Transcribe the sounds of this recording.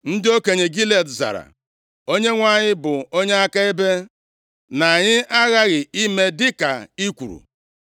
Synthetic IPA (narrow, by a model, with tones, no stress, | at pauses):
n̩˦dɪ˦o˦ke˨ɲe˨ɡi˦le˨tza̰˨ɾa̰˨ | o˦ɲe˦ŋʷa˦˨ɲɪ˦bʊ˨o˦ɲe˦a˦ka˦e˦be˦ | na˨ɲɪ˦a˦ɣa˦ɣɪ˨i˦me˦dɪ˦ka˨i˦kʷṵ˨ɾṵ˨